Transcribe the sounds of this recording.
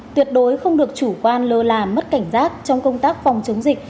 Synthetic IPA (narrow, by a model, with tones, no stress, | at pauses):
t̪wi˨˩ət̚ɗo˨˦jxə˧wŋ͡mɗɨ˨˩ək̚t͡ɕu˧˩kwaː˧nləː˧laː˨˩mə˦˥t̚ka˧˩jŋ̟zaː˦˥t̚t͡ɕɔ˧wŋ͡mkə˧wŋ͡mt̪aː˦˥k̚fɔ˨˩wŋ͡mt͡ɕə˨˦wŋ͡mzï˨˩k̟̚